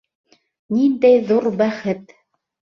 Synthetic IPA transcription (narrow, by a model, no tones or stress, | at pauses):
nind̪æjðuɾbæχɘt̪